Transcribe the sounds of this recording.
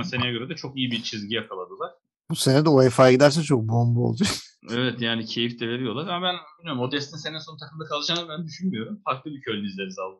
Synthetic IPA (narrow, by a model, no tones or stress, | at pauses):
nseejaɟø̞ɾɛd̪ɛt͡ʃʰo̞kijibit͡ʃʰizɟijakʰalˠad̪ɯzaɾt̪ʰ | buse̞ned̪ɛoefajaɡid̪æɾs̬ɛt͡ʃʰo̞k̚bo̞mbuo̰lˠd̪uj | ɛvɛt̪jaːnicʰe̞jifd̪e̞veɾijo̞lˠaɾamabænbilʲmijo̞ɾumo̞d̪ɛst̪ʰinse̞nɛso̞nut̪ʰakɯmd̪akʰalˠɯd͡ʒaːnɯbænd̪yʃynmijo̞ɾumfaɾklˠɯbicʰølʲinizlʲeɾizalˠɯ